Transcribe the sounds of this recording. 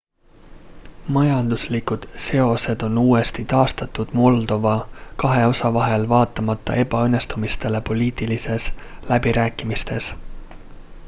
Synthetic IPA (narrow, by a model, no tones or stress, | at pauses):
mɑjɑnd̪̥uslikud̪̥se̞o̞se̞d̪̥o̞nuːe̞st̪it̪ɑːst̪ɑt̪ːˑud̪̥mo̞ld̪o̞vɑkɑɦe̞o̞sɑvɑɦe̞lvɑːt̪ːˑɑmɑt̪ˑːɑ̰ʔe̞bɑɤnːe̞st̪umist̪e̞le̞po̞liːt̪ilise̞slæbiɾæːkːˑimist̪e̞s